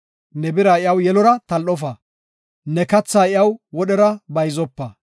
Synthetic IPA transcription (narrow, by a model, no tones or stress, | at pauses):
nɛbɪɾaːɪjɐwjɛlɔɾɐt̪ɐlʔɔf̬ɐ | nɛkɐt͡sːaːɪjɐwwɔɗɛɾɐbɐjzɔpːɐ